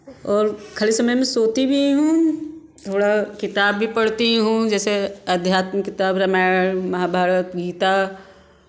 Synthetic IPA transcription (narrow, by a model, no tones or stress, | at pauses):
ɔːɾkʰɐlisɐməjmẽsoːt̪ibʱiɦũ | t̪ʰoːɽakɪt̪aːbːʱipɐɽ̤t̪iɦũd͡ʒɛːseɐd̪ʱjaːt̪məkɪt̪aːbɾɐmaːɽmɐɦaːbʱaːɾət̪ɡiːt̪a